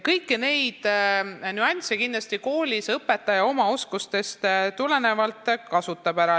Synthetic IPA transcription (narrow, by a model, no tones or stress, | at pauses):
kɤjkːine̞jd̪̥nyɑnʲt̪sʲekind̥̪lɑst̪iko̞ːlʲisɤpːˑe̞t̪ːˑɑjɑo̞mɑo̞skust̪e̞st̪t̪ule̞ne̞vɑlt̪ːˑkɑsut̪ːˑɑbæɾɑ